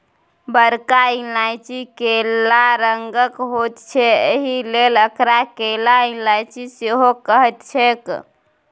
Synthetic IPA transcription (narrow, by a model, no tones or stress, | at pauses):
bəɾkailajt͡ʃʰikelaɾəŋɡəkɦot̪t͡ʃʰɛeɦileləkɾakelailajt͡ʃʰiseɦokəɦɛt̪t͡ʃʰek